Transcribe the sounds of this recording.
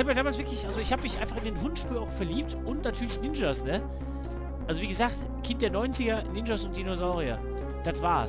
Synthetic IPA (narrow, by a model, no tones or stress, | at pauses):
haːbəjaːdaːmalsv̥ɪɐklɪçʔalzoɪçhaːbəmɪçʔã̰ɪnfaχɪndeːnɦʊntfʁ̥yːɐaʊxfɛɐliːp̚tʔʊntnatʰyːɐlɪçnɪnd͡ʒɐsnə | ʔalzoviːɡəzaːkt | kʰɪnt̚d̥eːɐnɔʏnt͡sɪɡɐnɪnd͡ʒɐsʊnt̚d̥inozaʊʁia̰ | d̥atv̥aːɐs